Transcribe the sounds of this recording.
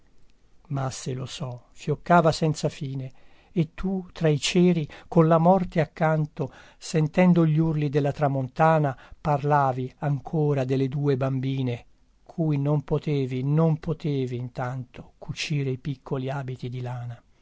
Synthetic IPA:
masːelosɔfjokːaːvasɛnt̪safiːne | et̪ːut̪ɾait͡ʃɛːɾikonlamɔrt̪eakːant̪o | sɛnt̪ɛnd̪oʎːurlid̪elːat̪ɾamont̪aːnaparlaːviaŋkʰoːɾad̪elːed̪uːebambiːne | kʰuːjnompot̪eːvinompot̪eːviːnt̪ant̪o̥kʰut͡ʃiːɾeipikʰːoliaːbit̪id̪ilaːna

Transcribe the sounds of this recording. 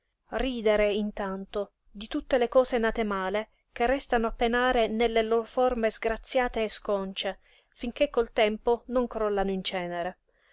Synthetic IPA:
riːd̪eɾeint̪ant̪o | d̪it̪ut̪ːelekɔːsenat̪emaːle | k̟erːɛst̪anoapːenaːɾenelːeloɾoformezɡɾat̪sːjaːt̪eːskɔnt͡ʃe | fiŋk̟ekːolt̪ɛmponoŋkɾɔlːanoint͡ʃɛːneɾe

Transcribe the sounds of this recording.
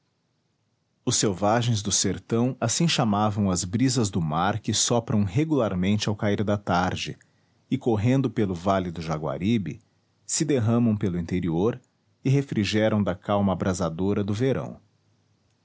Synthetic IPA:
ʊsːewvaʒẽj̃zd̪ʊseɾt̪ɐ̃w̃asĩʃamavɐ̃w̃ɐzbɾizɐzd̪ʊmaɾkɪsɔpɾɐ̃w̃ɦeɡulaɾmẽnt͡ʃɪawkaiɾd̪ɐt̪aɾd͡ʒɪ | ɪkoɦẽnd̪ʊpelʊvalɪd̪ʊʒaɡwa̰ɾibɪ̰ | sɪd̪eɦɐ̃mɐ̃w̃pelʊĩnt̪eɾioɾ | ɪɦefɾiʒɛɾɐ̃w̃d̪ɐkawmɐːbɾazad̪oɾɐd̪ʊveɾɐ̰̃w̃

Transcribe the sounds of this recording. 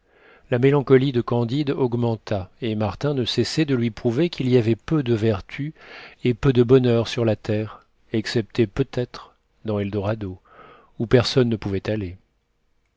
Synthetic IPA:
lamelɑ̃kɔlid̪əkɑ̃d̪id̪ɔɡmɑ̃t̪aemaʁt̪ɛ̃nəsɛsɛd̪əlɥipχuvekʲiliavɛpød̪əvɛʁt̪ʰyepød̪əbɔnœʁsyʁlat̪ɛʁ | ɛksɛp̚t̪epøt̪ɛt̪χ | d̪ɑ̃ɛld̪ɔʁad̪o | upɛʁsɔnːəpuvɛt̪ale

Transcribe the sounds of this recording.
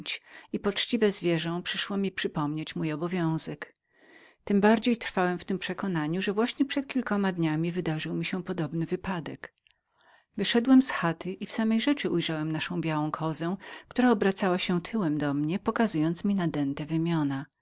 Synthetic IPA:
t͡ɕipɔt͡ʂt͡ɕivɛzvʲjɛʐɔ̃w̃pʂɘʂwɔmʲipʂɘpɔmɲet͡ɕmujɔbɔvʲjɔ̃w̃z̥ɛk | t̪ɘmbaɾd͡ʑejt̪ɾfawɛmft̪ɘmpʂɛkɔnaɲuʐɛvwaɕɲɛpʂɛt̪̚kʲilkɔmad̪ɲamʲivɘd̪aʐɘwmʲiɕɛpɔd̪ɔbnɘvɘpad̪ɛk | vɘʂɛd̪wɛmsxat̪ɘʔifsamɛjʐɛt͡ʂɘʔujʐawɛmnaʂɔ̃w̃bʲjawɔ̃w̃kʰɔzɛw̃kt̪uɾaɔbɾat̪sawaɕɛ̃t̪ʰɘwɛmd̪ɔmɲɛpɔkazujɔnt̪smʲinad̪ɛnt̪ɛvɘmʲjɔna

